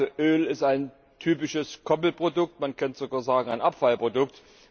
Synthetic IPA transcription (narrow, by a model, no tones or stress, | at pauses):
oʔøːlɪstaɪn | tʰyːpɪʃəskʰɔpl̩pʁ̥odʊk̚tmankʰantz̥oɡaːɐzaːɡŋ̩aɪnʔapfalpʁodʊk̚t